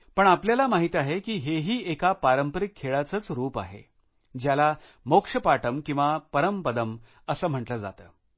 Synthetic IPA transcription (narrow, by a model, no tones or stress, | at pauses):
pəɳapljalamaɦit̪aɦekiːɦeɦiːekapaɾəmpəɾikʰːeɭat͡sət͡sɾuːpa̰ɦḛ | d͡ʑjala | mokʂəpaʈəmkĩw̃ʋapəɾəmpəd̪əm | əsəːm̤əʈləːd͡za̰t̪əː